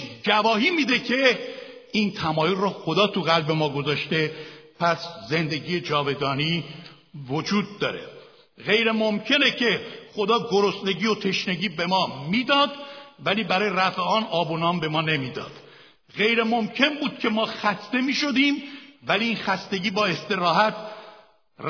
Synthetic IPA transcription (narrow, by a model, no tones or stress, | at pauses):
d͡ʒævɒːhiːmiːd̪e̞cʰe̞ | int̪ʰæmɒːjonrɔxo̞d̪ɒːt̪ʰuɣælbe̞mɒːɡo̞zɒːʃt̪e̞pʰæsze̞nd̪e̞ɟiːje̞d͡ʒɒːve̞d̪ɒːniː | vod͡ʒuːd̪̚ːɒ̰ːɾe̞̰ | ɣe̞jɾe̞momcʰenecʰe̞xo̞d̪ɒːɡo̞ɾo̞sne̞ɟiːjo̞t̪ʰe̞ʃne̞ɟiːbe̞mɒːmiːd̪ɒːd̪væliːbæɾɒːjeɾæfeɒːnɒːbonɒːmbe̞mɒːne̞miːd̪ɒ̰ːd̪̥ | ɣe̞jɾemomcʰe̞nbuːd̪̥̚cʰe̞mɒːxæst̪e̞miːʃo̞d̪iːmvæliiːnxæst̪e̞ɟiːbɒːe̞st̪e̞ɾɒːhæt̪ʰ